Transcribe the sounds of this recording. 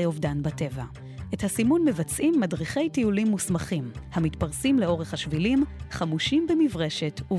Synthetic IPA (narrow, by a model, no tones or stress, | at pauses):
jovdanbate̞va | ʔe̞thasimunme̞vat͡sʔimːadʁiχe̞jtiulimːusmaχimhamitpaʁsimle̞o̞ʁeχhaʃvilimχamuʃimbemivʁe̞ʃe̞tu